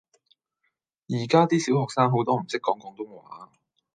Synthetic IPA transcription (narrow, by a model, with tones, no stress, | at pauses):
jiː˨˩kaː˥t̪iː˥siː˨˥whɔː˨k̚saː˥ŋɦo˨˥wt̪ɔː˥m̩˨˩sɪ˥kːɔː˨˥ŋkɔː˨˥ŋt̪o˥wmo˨˩a̰ː˨˥